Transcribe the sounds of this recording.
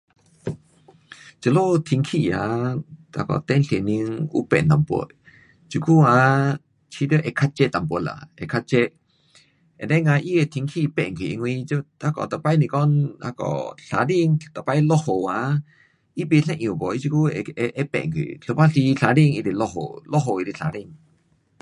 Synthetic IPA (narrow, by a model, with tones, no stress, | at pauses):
t͡ʃə˧lo˦˨t̪ʰi˧ŋkʰi˧˨a˨a̰˧˨kɔ̰˨t̪ɛ˦nɬe˨ni˧ŋṵ˦pɛ˨na˨po̰˧˦t | t͡ʃu˧ku˦a˧ | t͡ʃʰi˧˦d̪ə˦ʔɛ˧˨kʰa˦t̪̚t͡ʃɛ˦t̪a˨mpə˧˨la̰˨ɛ˨kʰa˧˦t̚t͡ʃɛ˦ʔ | e˨d̪e˦ŋã˧ʔi˦e˧t̪ʰi˧ŋkʰi˦˧pe˧ʔŋkʰi˨ʔŋwĩ˧t͡ʃo˦a˦kɔ̰˨t̪a˧˨pa˧˦jnĩ˧kɔ˦na˧kɔ̰˨ɬa˨ɾi˦˧ŋt̪a˨pa˦jlo˦ho˨wa˨˧ | i˦bi˧ɬẽ˧ʔjũ˨ko˨i˦t͡ʃu˧ku˦˧e˧ʔe˦pḛ˧˨ŋkʰwḭ˨ɬo˧pa˦ɬi˧ɬa˧ɾi˦˧ŋi˧d̪i˧˨lo˧ho̰˨lo˦ɦo˧˨i˧ɾi˧ɬa̰˨˧ɾi˧ŋ